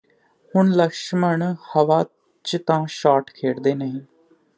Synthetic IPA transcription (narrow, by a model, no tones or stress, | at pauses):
hʊɳləkʃməɳhəʋaː | t͡ʃt̪ãːʃaːʈkʰeːɽd̪eːnəɦĩː